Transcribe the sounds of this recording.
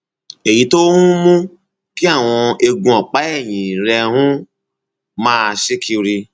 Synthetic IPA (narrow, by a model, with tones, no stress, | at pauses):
e˨ji˨˦to˦hũ˦mũ˦ | ki˦a˦˨w̃ɔ̃˧e˧ɡũ˧ɔ˨k͡pa˨˦ɛ˦˨j̃ĩ˨ɾɛ˧hũ˦ | mãː˦˧ʃi˦ki˧ɾi˧